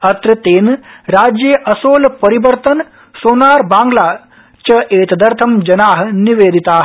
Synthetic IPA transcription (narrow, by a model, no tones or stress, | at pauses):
ɐt̪ɾɐt̪eːnɾaːd͡ʒjɐʔɐsoːlpɐɾibɐɾt̪ɐn | soːnaːɾbaːŋɡlaː | t͡ʃɐʔeːt̪ɐd̪ɐɾt̪ʰɐmd͡ʒɐnaːɦniʋeːd̪ʱit̪aːɦ